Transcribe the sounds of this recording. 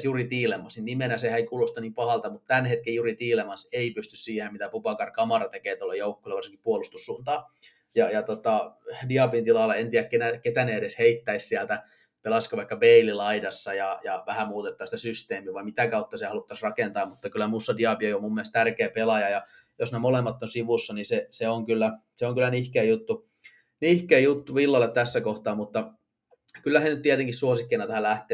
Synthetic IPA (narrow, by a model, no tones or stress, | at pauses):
sjurit̪iːlemːɑsinnimenæsehæeikuːlost̪ɑniːmpɑhɑlt̪ɑmut̪t̪ænhet̪kejurit̪iːlemɑseipyst̪yssiːhemmit̪æpupɑkɑrkɑmɑrɑt̪ekeːt̪olːejoukːo̥ˑileʋɑrsiŋki̥puolust̪usːuːnt̪ɑː | jɑjɑt̪ot̪ɑdiɑpint̪ilɑlːɑent̪iækkenæket̪æneeɾesheit̪ːæissiælt̪æ | pelɑskoʋɑikːɑbeililɑidɑsːɑjɑjɑʋæhæmuːt̪et̪ːɑːsi̥t̪æsyst̪eːmiːʋɑimit̪ækɑut̪ːɑsiehɑlut̪ːɑsrɑkent̪ɑːmmut̪ːɑkylːˑæmuːsːɑdiɑpieiomumːiælst̪ærkeːpelɑjɑjɑ | josnemolemːɑt̪ːonsiʋusːɑniseseoŋkylːæ | seoŋkylːˑænihkeːjut̪ːu | nihkeːjut̪ːuʋilːɑlːˑett̪æsːækoht̪ɑːmmut̪ːɑ | kylːæhenyt̪t̪iet̪eŋkissuosikːeinɑt̪æhælæht̪ˑeː